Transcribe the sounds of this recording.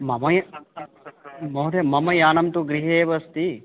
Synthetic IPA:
mɐmɐj | mɐɦuɾemɐmɐjaːnɐmt̪uɡɾiɦeːʋɐst̪i

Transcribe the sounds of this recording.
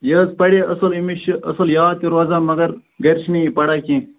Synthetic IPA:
jɐːzpɐɽeʔɐsɐlimiʃɐ̰sɐljaːt̪iɾaːzaːmɐɡɐɾɡɐɾʃniipɐɽakĩː

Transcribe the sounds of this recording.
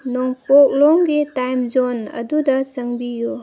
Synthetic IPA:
nɔŋpɔk̚lɔŋɡitajmd͡ʒonɐ̰dudɐsɐŋbiju

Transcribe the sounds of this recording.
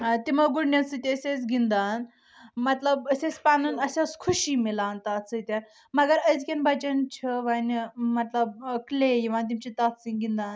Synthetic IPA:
t̪iməɡuɽnʲat͡sɨt̪iəsʲet͡sɡind̪an | mət̪ləbəset͡spanunəsʲaskʰuɕimilãnt̪at͡sɨt̪ʲa | mɐɡəɾəd͡zkʲenbat͡ɕənt͡ɕʰəʋanʲmɐt̪ləb̚klejiʋãnt̪imt͡ɕit̪at̪t͡sĩŋɡind̪an

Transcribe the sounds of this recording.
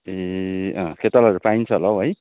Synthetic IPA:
eʌ̃kʰet̪alʌɾupaint͡sʰʌlʌwɦʌj

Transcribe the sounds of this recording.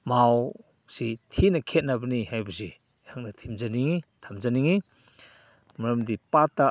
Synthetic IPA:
maw | sitʰinakʰet̚nabanihajbuzi | haŋnatʰimzaniŋitʰamzaniŋi | mɾəmdipata

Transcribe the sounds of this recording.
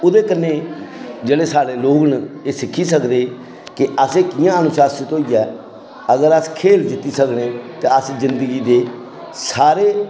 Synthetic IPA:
ʊd̪eːkənːeːd͡ʒeːɽeːsaːɽeːloːɡneːsɪkʰːiːsəkd̪eː | kɪəseːkɪjãːənʊsaːsət̪oːiːɛː | əɡəɾəskʰeːld͡ʒɪt̪ːiːsəkneːt̪eːəszɪnd̪əɡiːd̪eː | saːɾeː

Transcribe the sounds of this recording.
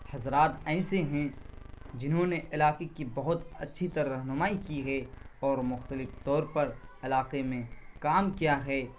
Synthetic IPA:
hɐzɾaːt̪ɛːseɦɛ̃ | d͡ʒɪnɦõneʔɪlaːqekibɐɦʊt̪ɐtːʃʰit̪ɐɾaɾɐɦnʊmaːikiɦɛːɔːɾmʊxt̪əlɪft̪ɔːɾpɐɾɪlaːqemẽkaːmkijaɦɛː

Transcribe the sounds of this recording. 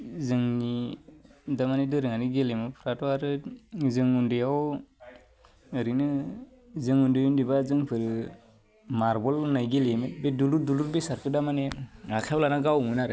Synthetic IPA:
zɯŋni | damanedɯɾɯŋaniɡelemɯpʰɾatɔaɾɯzɯŋundijaw | ɯɾinɯ | zɯŋundejundibazɯŋpʰɯɾ | maɾbɔlnajɡelemet̚beduluduluɾbesaɾkɯdamaneakʰewlanaɡawmunaɾ

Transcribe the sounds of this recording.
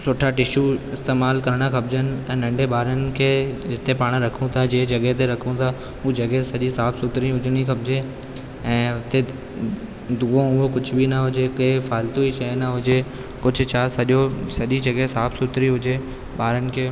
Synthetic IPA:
sʊʈʰaʈɪʃuɪst̪eːmaːlkɐɾɪɽ̃axɐb̚d͡ʑənɪ̆ɛ̃ːnɐ̃ɳɖʱeɓaːɾənɪ̆kʰeːd͡ʑɪt̪epaːɽ̃ɾɐkʰũt̪ʰad͡ʑeːd͡ʑɐɠet̪eɾɐkʰũt̪ʰa | uːd͡ʑɐɡesɐʄisaːfsʊt̪ɾĩɦʊd͡ʑɪɽ̃ixɐbd͡ʑe | ɛ̃ːʊt̪e | d̪uːõʊɦokʊd͡ʑʱʊbʱinɐɦʊd͡ʑekefaːlt̪uiʃɐnɐɦʊd͡ʑe | kʊd͡ʑʱʊ̆t͡ɕʰasɐʄosɐʄid͡ʑɐɡɦesaːfsʊt̪ɾiɦʊd͡ʑe | ɓaːɾənɪ̆kʰeː

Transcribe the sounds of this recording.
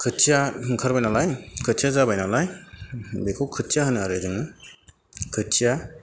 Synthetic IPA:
kʰɯtsijakʰɯɾbajnalajkʰɯtsʰijazabajnalaj | bekʰowkʰɯtʰːijaɦɯnɯaɾɯdɯŋɯ | kʰɯtija

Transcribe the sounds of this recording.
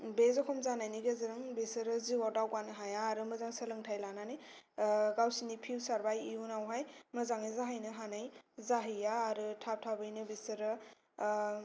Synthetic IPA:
bezɔkʰɔmzanajniɡezɯɾɯŋbisɯɾɯziwadawkanɯɦajaːɾɯmɯzaŋsɐlɯŋtʰajlanani | ɡawsinipʰiwsaɾbajiunawɦajmɯzaŋɯzaɦɯjnɯɦanajzaɦɯjaːɾɯtʰap̚tʰabɯjnɯbisɯɾɯ

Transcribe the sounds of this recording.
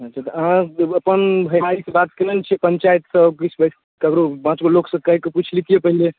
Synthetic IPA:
ɦət͡ʃʰat̪əəɦãəpənbʱəjɦaɾisebat̪keləlt͡ʃʰɛpənt͡ʃajt̪səbkit͡ʃʰbəs | kəkɾopãt͡ʃɡoloksə̃kəɦikeput͡ʃʰlit̪ijepəɦile

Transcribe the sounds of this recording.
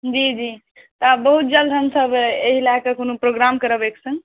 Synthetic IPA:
d͡ʒid͡ʒi | t̪ɔabəɦut̪̚d͡ʒəld̪ʱənsəbeɦilakəkonopɾoɡɾamkəɾəbeksə̃ŋ

